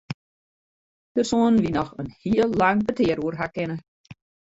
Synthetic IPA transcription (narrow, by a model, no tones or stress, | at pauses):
d̥ərsoənʋinɔxənhiəlˠːaŋbətɪəɾuərɦakɪnə